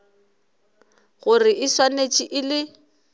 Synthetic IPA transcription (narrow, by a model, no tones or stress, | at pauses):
ɣʊrɪʔɪswanet͡ʃʼiʔɪlɪ